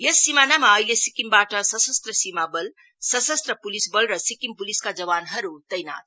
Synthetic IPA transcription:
jesːimanamaʌijlesikimbaʈʌsʌsʌst̪rʌsimabʌl | sʌsʌst̪rʌpulisbʌlrʌsikimpuliskad͡zʌwanɦʌɾut̪ʌjna̰t̪̚

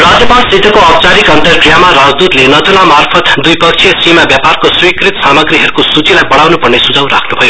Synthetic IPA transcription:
rad͡zjʌpalsit̪ʌkoʌpt͡saɾikʌnt̪ʌrɡrijamaɾad͡zd̪ud̪lenʌd͡zolamarpʰʌt̪d̪ujpʌk̚t͡ʃʰijʌsimabjaparkoswikrit̪samʌɡriɦʌɾukosut͡silajbʌɽawnupʌrnesud͡zawɾa̰kʰnubʱʌjo

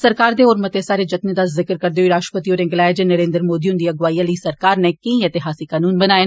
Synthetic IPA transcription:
sɐɾkaːɾd̪eoːɾmɐt̪esaːɾed͡ʒɐt̪nẽd̪aːzɪkəɾkɐɾd̪eoiɾaːʃʈpət̪iɔːɾẽŋɡlaːjd͡ʒenɐɾẽːnd̪əɾmoːd̪iʊnd̪iɐɡʋaːjalisɐɾkaːɾnekɐĩet̪ɪɦaːsikaːnuːnbɐnaːe

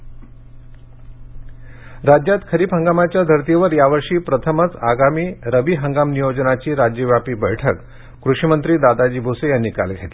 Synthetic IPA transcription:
ɾad͡ʑjat̪kʰəɾiːpɦəŋɡamat͡ɕjad̪ʱəɾt̪ieʋəɾjaʋəɾʂiːpɾət̪ʰəmət͡saɡamiːɾəʋiːɦəŋɡamnijod͡ʑnat͡ɕiːɾad͡ʑjəʋjapiːbəjʈʰək | kɾuʂimənt̪ɾiːd̪ad̪ad͡ʑiːbʱosejanːiːka̰lɡʱet̪e

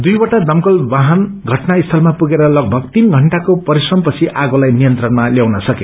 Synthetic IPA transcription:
d̪ujwʌʈad̪ʌmkʌlbaɦʌn | ɡʱʌʈnaist̪ʰʌlmapuɡeɾʌlʌɡ̚bʱʌɡt̪inɡʱʌɳʈakopʌɾisrʌmpʌt͡sʰiʔaɡolajnijʌnt̪rʌnmaljawnʌsʌke

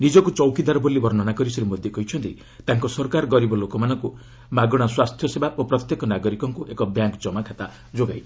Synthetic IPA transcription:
nid͡ʒɔkut͡ʃɔwkid̪aɾɔbolibɔɾnɔnakɔɾisɔɾimod̪ʱjɔkɔɦit͡ʃʰɔnt̪i | t̪aŋkɔsɔɾkaɾɔɡɔɾibɔlokɔmanɔŋku | maɡɔɽ̃aswast̪ʰjɔsebaʔopɾɔt̪jekɔnaɡɔɾikɔŋkuʔekɔbjaŋkd͡ʒɔmakʰat̪a | d͡ʒoɡaj

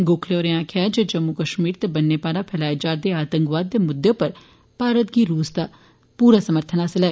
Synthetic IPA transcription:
ɡoːkʰleoːɾeãːkʰɪjaːd͡ʒeːd͡ʒəmːukəʃmiːɾt̪ebənːeːpaːɾapʰɛːlaːed͡ʒaːɾd̪eːaːt̪ə̃ŋkʋaːd̪ːeːmʊd̪ːepəɾ | paːɾət̪ɡiːɾuːsd̪aː | puːɾaːsəməɾt̪ʰənaːsɪlɛː

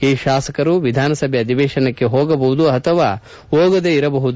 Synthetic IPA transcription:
iːʃaːsɐkɐɾuʋid̪ʱaːnɐsɐbʱjɐɐd̪ʱibɛːʃɐnɐkːe̞ɦoːɡɐbɐɦud̪uɐt̪ʰɐʋaː | oːɡɐd̪eiɾɐbɐɦud̪u

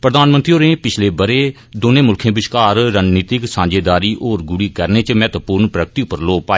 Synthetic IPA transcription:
pɾəd̪aːnmənt̪ɾioːɾẽːpɪt͡ʃʰleːbəɾeː | d̪oːnẽːmʊlkʰẽːbɪʃkaːɾɾaːniːt̪ɪksãːɲd͡ʒeːd̪aːɾiːʔoːɾɡʊɽiːkəɾneːt͡ʃmɛːt̪pʊːɾnpɾəkt̪iːʊpəɾloːpaː

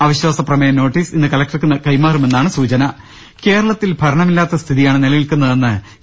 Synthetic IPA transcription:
ɐʋɐɕwaːsɐprɐmɐjɐno̞ːʈːiːsinːɨkɐlɐk̚ʈɐrkɨnːɐkɐjmaːrume̞nːaːɳɨsuːt͡ɕɐnɐ | ke̞ːɾɐɭɐt̪ːilbʱɐɾɐɳɐmilːaːt̪ːɐst̪ʰiðijaːɳɨnelɐjilkunːɐðe̞nːɨ

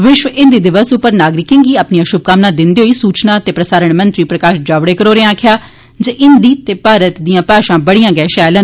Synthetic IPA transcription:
ʋɪʃʋəʔɪnd̪iːd̪ɪʋəsʊpːəɾnaːɡɾɪkɪ̃ŋɡiːaːpniːãːʃʊb̚kaːmnaːd̪ɪnd̪eːɦoiːsuːt͡ʃnaːt̪eːpɾəsaːɾəɳmənt̪ɾiːpɾəkaːʃd͡ʒaːʋɽeːkəɾoːɾẽãːkʰɪjaː | d͡ʒəʔɪnd̪iːt̪eːpaːɾət̪d̪ijãːpaːʃãːbəɽijãːɡɛːʃɛːlən

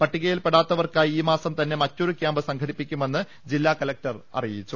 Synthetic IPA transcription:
pɐʈːiɣɐjilpe̞ɽaːt̪ːɐʋɐrkaːjiːmaːsɐmt̪ɐnːe̞mɐtːo̞ɾukjaːmbɨsɐŋɡʰʱɐɽipːikʲːume̞nːɨ | d͡ʑilːaːkɐlɐk̚ʈɐrɐ̰rijit͡ɕːu

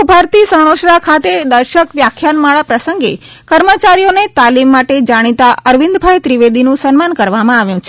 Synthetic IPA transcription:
bʱaɾt̪isəɽ̃oʃɾakʰat̪ed̪əɾʃəkʋjakʰjanmaɭapɾəsəŋɡḛ | kəɾmət͡ʃaɾijonet̪alimːaʈed͡ʒaɽ̃it̪aʔəɾʋĩnd̪bʱajt̪ɾiʋed̪inũsənmankəɾʋamãaʋjũt͡ʃʰe

